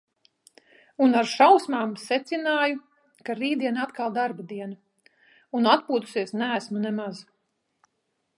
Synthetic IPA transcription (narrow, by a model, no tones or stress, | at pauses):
unaɾʃawsmaːmsɛt̪sinaːju | kaɾiːd̪iɛnat̪kalˠd̪aɾbad̪iɛna | unat̪puːt̪u̥siɛsnæːsmunɛmaz